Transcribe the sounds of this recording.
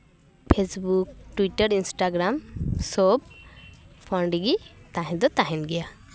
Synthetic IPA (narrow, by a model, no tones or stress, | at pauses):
pʰesbuk̚ʈuwiʈaɾinsʈaɡɾamsɔb | pʰɔɳɖiɡit̪aɦɛ̃d̪ɔt̪aɦɛnɡɛja